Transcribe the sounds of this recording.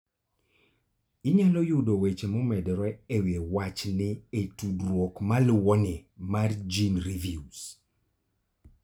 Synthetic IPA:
ɪɲalɔjʊdowet͡ʃemɔmɛdɾɛewewat͡ʃnɪetudɾwɔkmalwɔnɪmard͡ʒinɾivius

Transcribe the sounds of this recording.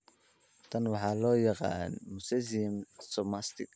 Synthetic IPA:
t̪ʰɐnwɑħɑːlɔːjɑqɑ̰ːnmʊsɛzimsɔmast̪ɪk

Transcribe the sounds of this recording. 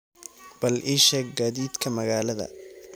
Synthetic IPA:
b̥ɐlʔɪʃɐɡaːðiːd̪kʰɐmɐɣaːlɐðɐ̰

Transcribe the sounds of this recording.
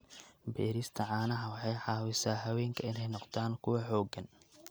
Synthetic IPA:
bɛːɾɪst̪ʰɐʕɑːnɐɦɐwɑħɑjħɑːwɪsaːɦɐwɛːŋkʰɐɪnɛjnɔqt̪ʰaːnkʰʊwɐħɔːɡɐn

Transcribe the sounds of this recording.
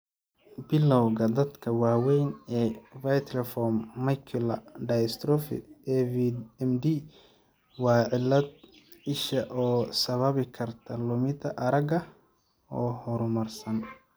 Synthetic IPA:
bɪlːɔwɣɐd̪ɐd̪kʰɐwɑːwɛjnɛːvɐjt̪ʰɾɐfɔmːɐjkʰɪlɐɖɐjst̪ɾɔfɪ̰ɛvɛmd̪i | wɑːʕɪlːɐd̪̚ | ɪʃɐʔɔːsɐβɐβɪkʰɐrt̪ʰɐlʊmɪt̪ʰɐʔɐɾɐɡɐ | ɔːhɔɾʊmɐrsɐn

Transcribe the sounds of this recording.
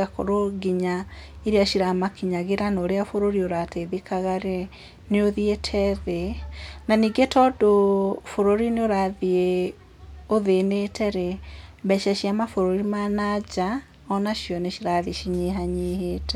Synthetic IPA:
ako̰ɾoɡiɲaiɾeaʃiɾamakiɲaɣeɾanoːɾeafoɾoɾioɾateðekaɣaɾe | neoðietʰɛðenaniːɡetɔdofoɾoɾineoɾaðie | oðenetʰɛɾeβɛʃɛʃiamafoɾoɾimanad͡ʒa | ɔnaʃjɔneʃiɾaðiʃiɲeɦaɲeɦeːtɛ

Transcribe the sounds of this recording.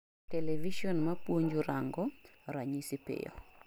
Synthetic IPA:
tɛlɛviʃɔnmapwoɲd͡ʒuɾaŋɡɔɾaɲisipɪ̰jɔ̰

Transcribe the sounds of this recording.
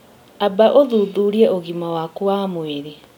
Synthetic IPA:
abaʔoðuːðuɾiɛoɣimawakuwamweɾi

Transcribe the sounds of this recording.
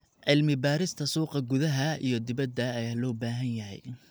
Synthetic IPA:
ʕɪlmɪbaːɾɪst̪ʰɐsuːqɐɡʊðɐɦɐḭjɞd̪ɪbɐd̪ːɐːjaːlɔːbaːɦɐnjɐɦɛ̰j

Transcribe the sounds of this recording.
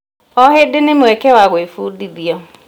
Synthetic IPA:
ɔɦɪdɪnɪmekewaɣwefudiðiɔ

